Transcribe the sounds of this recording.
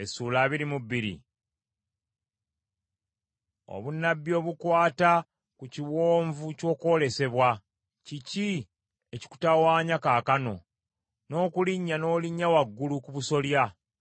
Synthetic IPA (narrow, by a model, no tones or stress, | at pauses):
esuːlaːβiɾimubːiɾḭ | o̞̰βunːabːjo̞ːβukwaːta | kuciwoːɱvuco̞ːko̞ːle̞se̞βwa | cici | e̞ci̥ku̥tawaːɲakaːkano̞ | no̞ːkuliɲːano̞ːliɲːawaɡːulukuβuso̞lja